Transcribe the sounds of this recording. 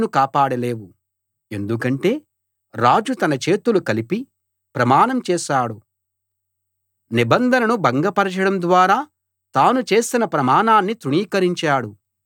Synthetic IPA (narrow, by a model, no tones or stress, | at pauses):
nukaːpaːɽɐle̞ːwu | e̞nd̪ukɐɳʈe̞ː | ɾaːd͡ʒut̪ɐnɐt͡ʃe̞ːt̪ulukɐlipi | pɾɐmaːnɐmt͡ʃɛːʃaːɽu | nibɐnd̪ʱɐnɐnubɐŋɡɐpɐɾɐt͡ʃɐɽɐmd̪ʋaːɾaː | t̪aːnut͡ʃe̞ːsinɐpɾɐmaːnaːnːit̪ɾuɳiːkɐɾiɲt͡ʃaːɽu